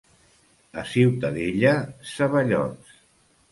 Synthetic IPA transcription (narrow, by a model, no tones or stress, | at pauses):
ə̰siwt̪əðeʎəsəβəʎɔ̰ns